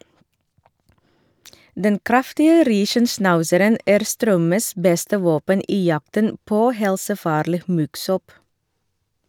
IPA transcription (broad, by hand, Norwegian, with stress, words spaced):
ˈdɛn ˈkɾɑftɪə ˈɾiːʃənˌsnɑʉsəɾən ˈæːɾ ˈstɾœməs ˈbɛstə ˈʋoːpən ˈiː ˈjɑktən ˈpoː ˈhɛlsəˌfɑːɾliː ˈmʉɡˌsɔp